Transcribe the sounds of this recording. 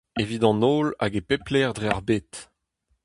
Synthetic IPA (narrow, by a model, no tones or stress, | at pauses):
evid̪ɑ̃noːla̰ɡepeplɛʁdʁeaʁbet̪